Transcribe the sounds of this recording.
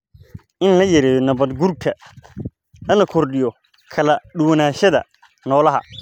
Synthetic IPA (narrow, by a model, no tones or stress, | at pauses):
ʔɪnlɐjɐɾɛːjɔnɐβɐd̪ɡurkʰɐ | ɐlɐkʰɔrɗɪjɔ | kʰɐlɐɗʊwɐnaːʃɐðɐ | nɔːlɐɦɐ̰